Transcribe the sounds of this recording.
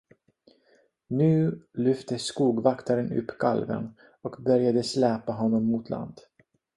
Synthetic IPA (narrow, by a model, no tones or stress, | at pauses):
nʉ̟ːlʏft̪əskuːɡvakt̪ʰaɾənɵ̰pːkʰa̰lvə̰n | ɔkbœɾjad̪əslɛːpaɦɔnːɔmːut̪ʰlʔa̰nd̪̥